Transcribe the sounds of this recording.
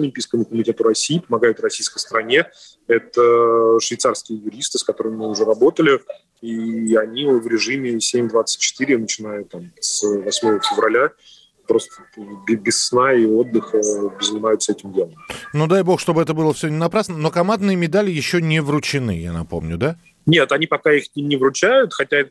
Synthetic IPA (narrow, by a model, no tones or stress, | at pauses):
ɐlʲɪmʲpʲijskəmʊkəmʲɪtʲe̞t̪ʊɾɐsʲiːpəmɐɡajʊt̪rɐsʲijskəjst̪əɾɐnʲe | ɛt̪əʂvʲɪjt̪sarskʲɪjəjʊɾʲist̪ɨskɐt̪o̞ɾɨmʲɪmɨʊʐɛɾɐbo̞t̪əlʲɪ | iɐnʲivɾʲɪʐɨmʲɪsʲemʲd̪vat̪sɨ̥t̚ʲt͡ɕːɪ̥t̪ɨɾʲɪnət͡ɕɪn̪ajʊt̪ːamsvɐsʲmo̞vəfʲɪvɾɐlʲa | pɾo̞st̪ə̥bʲbʲɪsːnaio̞d̪ːɨxəbʲzənʲɪmajʊt̪səɛtʲɪmdʲenəmnud̪ajbo̞xʂt̪o̞bɨɛt̪əbɨlˠəfsʲonʲɪnɐpɾasnəno̞kɐmand̪nɨjəmʲɪd̪alʲɪjɪɕːonʲɪvrʊt͡ɕɪnɨ̰ja̰nɐ̰po̞mnʲʊd̪a | nʲe̞t̪ɐnʲipɐkaixsʲnʲimnʲɪvɾʊt͡ɕæjʊt̪xɐtʲa